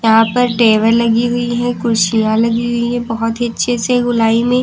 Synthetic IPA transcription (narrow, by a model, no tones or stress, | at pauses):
jɐɦãpɐɾʈeːʋəɾlɐɡiɦʊiɦɛ̃kʊɾʃijãlɐɡiɦʊiɦɛ̃bɔɦɔt̪iɐtːʃʰeseɡʊlaːimẽ